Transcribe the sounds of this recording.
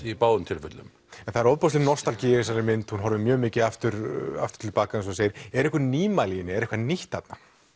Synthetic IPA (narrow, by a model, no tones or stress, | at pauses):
ipaːwʏnt̪ʰɪlfʏt̪lʏ̰m | ɛnθaɾɔwðpɔs̬lɪnɔ̥st̪alcisaɾɪmɪnt̪hunɦɔɾvɪmjœːɣmɪːcɪaft̪ʏɾa̰ft̪ʏ̥t̪ʰɪlpaːkaɛns̬ɔseːjɪɾɛɾɛhkʏniːmalijɪnɪɛɾɛhkvaniht̪at̪na